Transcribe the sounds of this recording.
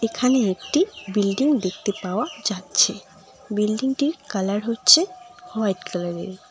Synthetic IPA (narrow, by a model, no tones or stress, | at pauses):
ekʰaneekʈibilɖiŋd̪ek̚t̪epaoad͡ʑatːɕʰe | bilɖiŋʈiɾkalaɾɦotːɕʰehoajʈkalaɾḛɾ